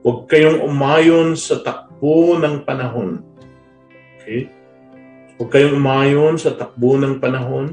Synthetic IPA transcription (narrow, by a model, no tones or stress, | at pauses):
wɐɡ̚kɐjoŋʔʊmaːjonsɐt̪ɐk̚b̥onɐŋpɐnɐɦon | ʔokʰɛj | wɐɡ̚kɐjoŋʔʊmaːjonsɐt̪ɐk̚bonɐŋpɐnɐɦon